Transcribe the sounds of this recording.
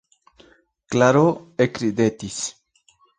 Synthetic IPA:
klaɾoekɾid̪et̪is

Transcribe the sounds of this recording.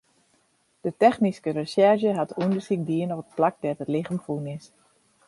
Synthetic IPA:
d̥ətɛxniskəɾəsɛrʃjəɦatʰundərsik̚diənɔpət̚plak̚dɛtətlɪχəmfunɪs

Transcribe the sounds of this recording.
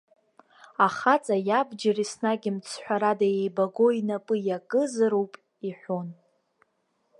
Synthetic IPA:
aχat͡sʼajabd͡ʒarisnaɡʲimt͡sʰħʷᶣaɾadajejbaɡoinapʼɨjakʼɨzɨɾowpʼ | iħʷon

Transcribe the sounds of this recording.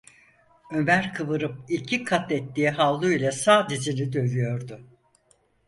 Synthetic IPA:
ømæɾkʰɯvɯɾɯp̚icʰikʰat̪ɛt̪ːiːɦalˠlːˠuilʲɛsaːd̪ed͡ʒenid̪ø̞vyjo̞ɾd̪ʊ

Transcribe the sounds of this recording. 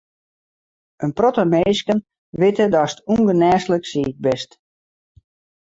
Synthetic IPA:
ənprɔtəmeːskən | ʋɪtədɔstuŋɡənɛːsləksiːk̚bɛst

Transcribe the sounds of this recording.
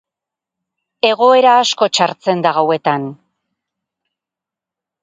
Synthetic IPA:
e̞ɣ̞o̞e̞ɾaːsko̞t͡ʃaɾt͡se̞nd̪aɣawe̞t̪an

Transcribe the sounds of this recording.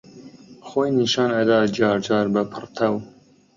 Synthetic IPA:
xoːjniːʃɑːnɐd̪ɑːd͡ʒɑːɾd͡ʒɑːɾbɐpʰɨrt̪ʰɐw

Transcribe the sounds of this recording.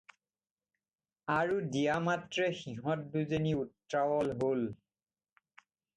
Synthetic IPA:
aɹudijamatɹɛxiɦɔt̚duzeniutɹawɔlɦol

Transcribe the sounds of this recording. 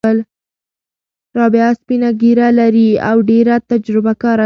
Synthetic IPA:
əl | ɾɑbɪaspinaɡiɾalaɾia̰wɖeɾat̪ad͡ʒɾɪbakɑɾa

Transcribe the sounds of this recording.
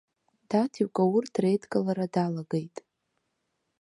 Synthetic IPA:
d̥atʰiɥkʷʼawʊrdrejdkʼalaɾadalaɡejtʼ

